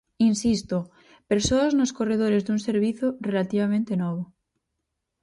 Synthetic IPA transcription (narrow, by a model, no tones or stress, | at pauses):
insist̪o | peɾsoaznoskoreð̞oɾe̞zðunse̞ɾβ̞iθjore̞lat̪iβ̞amẽnt̪e̞noβ̞o